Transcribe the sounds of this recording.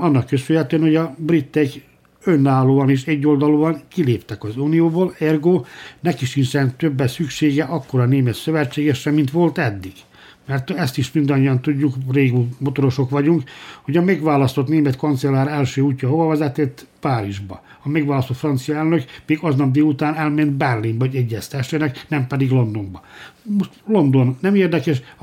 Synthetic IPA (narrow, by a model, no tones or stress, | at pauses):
ɒnːɒkːøsylhɛt̪øɛnho̞ɟɒbrit̪ːɛk | ønːaːloːɒniːʃɛɟːo̞ld̪ɒloːɒŋkileːpt̪ɛkɒzuːnijoːboːlɛrɡoːnɛkiʃinsɛnt̪øbːɛsykʃeːɡɛʔɒkːo̞ɾɒneːmɛt̪søvɛt͡ʃːeːɡɛʃɛmːint̪ʋo̞lt̪ɛd̪ːiɡ̥ | mɛrt̪ɛst̪iʃmind̪ɒɲːiɒnt̪uɟːukreːɡumot̪o̞ɾo̞ʃo̞kʋɒɟuŋkho̞ɟɒmɛɡʋaːlɒst̪o̞t̪neːmɛt̪ko̞nt̪sɛlːaːɾɛlʃøːuːcːɒho̞vɒvɛzɛt̪et̪ːpaːɾiʒbɒ | ɒmɛɡʋaːlɒst̪o̞t̪frɒnt̪sijɒɛlnøkmeːɡɒznɒbd̪eːut̪aːnɛlmɛnd̪bɛrlimbɒɟɛɟːɛst̪ɛʃenɛknɛmpɛd̪iɡlo̞nd̪o̞mbɒmoʃt̪lo̞nd̪o̞nːɛmeːrd̪ɛkɛʃ